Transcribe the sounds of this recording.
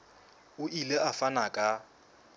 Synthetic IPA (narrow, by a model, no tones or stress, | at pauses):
ʊʔileʔafanakʼa